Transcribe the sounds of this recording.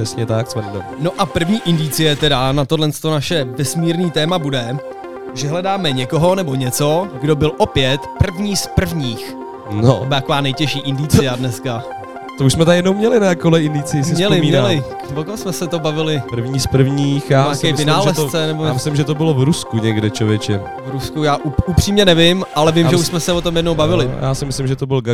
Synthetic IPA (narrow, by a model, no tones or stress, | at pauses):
ɛsɲɛt̪aksmɛndɛ̰mno̞ʔapr̩vɲiːʔɪndit͡sɪjɛt̪ɛɾanat̪odlɛnst̪o̞naʃɛvɛsmiːɾniːt̪ɛːmabudɛ | ʒɛɦlɛdaːmɛɲɛko̞ɦo̞nɛbo̞ɲɛt͡so̞ɡdo̞bɪlʔo̞pjɛt̪pr̩vɲiːspr̩vɲiːx | noobt̪akovaːnɛjcɛʃiːʔɪndit͡sɪjadnɛska | t̪ouʃsmɛt̪ajɛdnowmɲɛlɪnajakolɛɪndɪt͡sɪjɪsɪsɲɛlɪmiːɲɛlɪ | vokosmɛsɛt̪obavɪlɪpr̩vɲiːspr̩vɲiːxjaːjakɛːmvɪnaːlʒɛst͡sɛnɛboamɪslɪmʒɛt̪obɪlovɾuskuɲɛɡdɛt͡ʃlovjɛt͡ʃɛ | vɾuskujaːʔuupr̥iːmɲɛnɛvɪmʔalɛvɪmʒɛuʃsmɛsɛot̪o̞mjɛdnowbavɪlɪ̰jʔaːsɪmɪslɪmʒɛt̪obɪlɡ